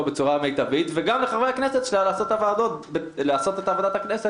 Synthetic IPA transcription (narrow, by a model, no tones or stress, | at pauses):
be̞t͡suʁame̞jt̪avit̪veɡamleχaʁveaknese̞t̪ʃelaleːso̞t̪avaːd̪o̞t̪̚beleaso̞t̪e̞taːvod̪athaknese